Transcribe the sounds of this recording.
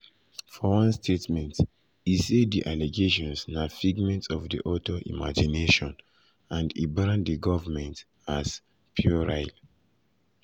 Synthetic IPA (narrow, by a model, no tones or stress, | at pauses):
fɔwãnstʰetmɛ̃nt | isediʔaleɡeʃɔ̃nsnafiɡmɛ̃ntɔfdḭʔɔtʰoʔḭma̰d͡ʒineʃɔ̃n | ãndḭbɹãndiɡɔvəmɛ̃nt | as | pʰjuɹaɪl